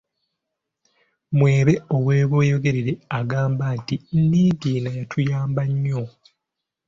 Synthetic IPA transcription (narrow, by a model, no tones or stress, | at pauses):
mwe̞ːβe̞o̞βwe̞ːβo̞ːjo̞ɡe̞ɾiɾeaɡaːmbatinniːɡiːnajatʰujaːmbaɲːo̞